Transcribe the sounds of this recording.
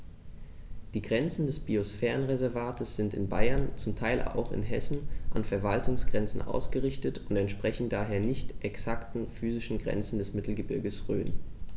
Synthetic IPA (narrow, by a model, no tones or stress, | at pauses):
d̥iːɡʁɛnt͡sn̩dɛsb̥iosfɛːʁənʁezɛɐvaːtʰəsz̥ɪntɪnbaɪɐnt͡sʊmtʰaɪlʔa̰ʊxɪ̰nɦɛsn̩ʔa̰nfɛɐvaltʰʊŋsɡ̥ʁɛnt͡sn̩ʔa̰ʊsɡ̥əʁɪçtətʊntɛntʃpʁ̥ɛçn̩daːɦeːɐnɪçtʔɛksaktn̩fyːzɪʃn̩ɡʁɛ̰nt͡sn̩dɛsmɪtl̩ɡəbɪɐɡəsʁø̰ːn